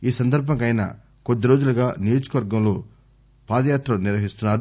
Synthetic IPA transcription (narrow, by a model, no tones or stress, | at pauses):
iːsɐnd̪ɐɾbʱɐŋkɐjnɐ̰ | kod̪ːiɾo̞ːd͡ʒulɐɡaːnijo̞ːd͡ʒɐ̥kɐʋɐɾɡɐmlo̞ː | paːd̪ɐjaːt̪ɾɐniɾʋɐɦist̪unːaːɾu